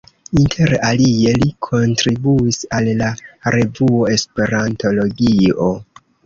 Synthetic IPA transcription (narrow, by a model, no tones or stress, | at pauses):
intʰe̞ɾalie̞likʰo̞ntɾibuisalːaɾe̞vuo̞e̞spe̞ɾanto̞lo̞ɡio̞